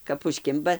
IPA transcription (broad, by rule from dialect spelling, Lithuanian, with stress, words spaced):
kɐp ʊʃʲˈkʲɪmbɐ